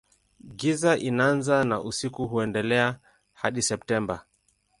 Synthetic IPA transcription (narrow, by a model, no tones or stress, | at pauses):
ɡizaʔinaanzanaʔusikuɦuɛndɛlɛa | haɗisɛp̚tɛmba